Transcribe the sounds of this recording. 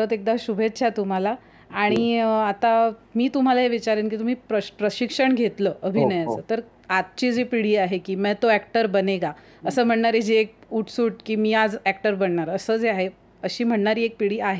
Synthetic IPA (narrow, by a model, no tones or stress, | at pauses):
ɾət̪ek̚d̪aɕubʱetːɕʰat̪um̤ala | aɽ̃iat̪amiːt̪um̤alaɦeʋit͡ɕaɾenk̬iːt̪um̤iːpɾəpɾəɕikʂəɳɡʱet̪ləːʔəbʱinəjat͡səːt̪əɾ | at̪̚t͡ɕid͡zepiɽiːaɦekiːmɛt̪oækʈəɾbəneɡa | əsəːm̤əɳɳaɾed͡ʑeek̚uʈʰsuːʈ̚kiːmiːad͡zæk̚ʈəɾbəɳːaɾəsəːd͡zeaɦe | əɕiːm̤əɳɳaɾiːek̚piɽiːaɦe